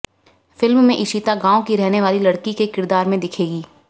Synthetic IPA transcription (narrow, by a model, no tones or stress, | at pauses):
fɪlmmẽʔɪʃiːt̪aɡãːõkiɾɛɦneʋaːlilɐɽkikekɪɾd̪aːɾmẽd̪ɪkʰeːɡiː